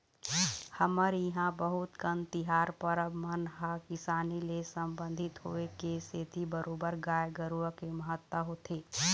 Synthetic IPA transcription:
həməɾjiɦãbəɦʊt̪kənt̪ɪɦaːɾpəɾəbmənɦakɪsaːnilesəmbə̃nd̪ʱɪt̪ɦoekeseːt̪ʰibəɾoːbəɾɡaːjɡəɾuəkeməɦət̪wəɦot̪ʰeː

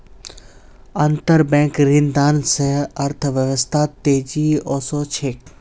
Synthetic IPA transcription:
ɐ̃nt̪əɾbɛ̃ːkɾĩnd̪aːnseɐɾt̪ʰʋjəʋəst̪ʰaːt̪eːd͡ʒiɔːsɔt͡ʃʰeːk

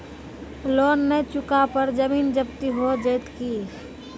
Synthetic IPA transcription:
loːnːet͡ʃʊkapəɾd͡ʒəmiːnd͡ʒəbt̪iɦod͡ʒəɪt̪ki

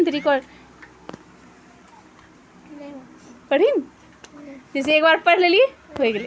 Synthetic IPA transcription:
nt̪ɾikɔɾ | pəɽ̤in | d͡ʒes̬eeːkbaɾpəɽ̤lelijeɦojɡele

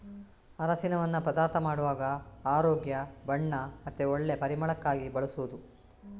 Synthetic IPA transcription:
ɐɾɐsinɐʋɐnːupɐd̪aːɾt̪ʰɐmaːɽuʋaːɡɐaːɾoːɡjɐbɐɳːɐmɐt̪ːeoɭːe̞pɐɾimɐɭɐkːaːɡibɐɭusuʋud̪u

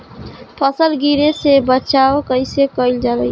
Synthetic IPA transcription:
pʰʌsəlɡiɾesebətːʃaokəjsekʌild͡ʒad̪əj

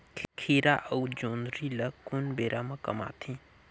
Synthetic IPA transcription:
kʰiːɾaʔəud͡ʒoːnɾiləkʊnbeːɾʔamɐ̃kɐma̰ːt̪ʰĩ

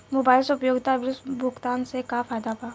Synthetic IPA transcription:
mobaːɪlseʊpjoːɡt̪abɾsbʱʊkt̪aːnsekafʰaːjd̪apaː

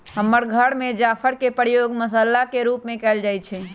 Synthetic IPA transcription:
ɦəmːəɾɡʱəɽmed͡ʒapʰəɾkepəɾjoɡməsəlːakeɾupmekɛld͡ʒajt͡ʃʰɛ

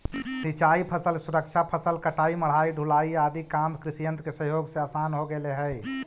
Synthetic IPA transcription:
sit͡ʃaipʰəsəlsuɾəkt͡ʃʰapʰəsəlkəʈaiməɽ̤aiɖʱulaiad̪ikamkɾɪsijənt̪kesəɦjoːɡseasanɦoɡeleɦəj

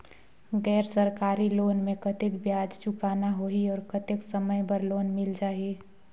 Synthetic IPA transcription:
ɡɛːɾsəɾkaːɾiloːnmẽkət̪ɪkbjaːd͡ʒt͡ʃʊkaːnaɦoiɔːɾkət̪eksəməjbəɾloːnmɪld͡ʒaːɦie

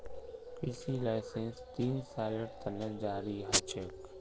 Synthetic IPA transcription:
piːsilaɪsenst̪iːnsaːləʈt̪ʰɐnːəd͡ʒaːɾiɦɐt͡ʃek

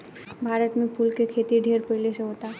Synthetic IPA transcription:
bʱaːɾət̪mẽpʰuːlkekʰeːt̪iɖʱeːɾpəɪleseɦoːt̪a

